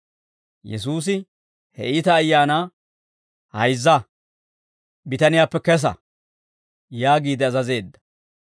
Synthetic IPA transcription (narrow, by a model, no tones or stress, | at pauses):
jɛ̰suːs̬ɪ | hɛ̰ʔɪt̪ɐːjːaːnaː | hɐjzːɐ | bɪt̪ɐnɪjaːpːɛkɛs̬ɐ̰ | jaːɡiːd̪ɛɐzɐze̞ːd̪ːɐ̥